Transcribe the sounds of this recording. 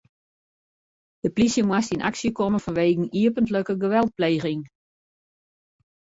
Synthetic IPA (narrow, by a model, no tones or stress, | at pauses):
d̥əplisjəmwastinʔa̰ksjəkɔməfɔnʋeːɡŋ̩iəpəntləkəɡəʋɛlˠt̚pleːɣɪŋ